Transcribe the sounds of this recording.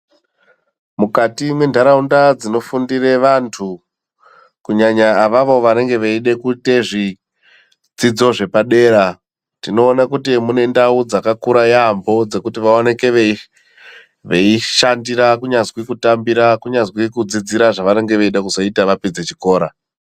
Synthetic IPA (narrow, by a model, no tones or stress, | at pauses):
mukatimwe̞ndʱaɾaundad͡zino̞fundire̞ʋantʰu | kuɲaɲaːʋaʋo̞ʋane̞ŋɡe̞ʋeiɗe̞kute̞ʐi | d͡zid͡zo̞ʐe̞paɗe̞ːɾa | tino̞ːnakutimune̞ndaud͡zakakuɾajaːmbo̞d͡ze̞kutiʋaone̞ke̞ʋe | ʋeiʃandiɾakuɲazwikutambiɾakuɲazwikud͡zid͡ziɾaʐaʋane̞ŋɡe̞ʋeiɗakuzo̞itaʋapid͡zet͡ʃiko̞ːɾa